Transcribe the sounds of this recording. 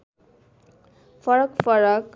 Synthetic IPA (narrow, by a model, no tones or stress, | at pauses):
fʰʌɾʌkfʌɾʌk